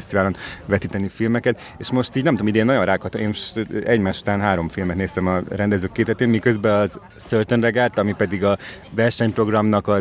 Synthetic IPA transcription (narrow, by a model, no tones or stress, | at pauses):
st̪ivaːlonvɛt̪iːt̪ɛnifilmɛkɛt̪ | eːʃmo̞ʃt̪iːɟnɛmt̪omid̪enːɒjonraːkhɒt̪omeːnʃt̪ɛɟmaːʃu̥t̪aːnɦaːɾo̞mfilmɛt̪neːst̪ɛmɒrɛnd̪ɛzøːkːeːt̪ɛt̪eːnmikøzbɛɒz | sørt̪onrɛɡaːrt̪ɒmipɛd̪iɡɒ | vɛrʃɛɲpro̞ɡrɒmnɒkɒ